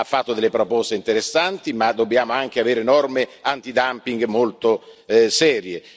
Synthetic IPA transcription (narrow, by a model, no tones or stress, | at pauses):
afːat̪ːod̪elːepɾopɔst̪eint̪eɾesːant̪imad̪ːobːjaːmoaŋk̟eaveːɾenɔrmeant̪id̪ampiŋɡmolt̪osɛːɾje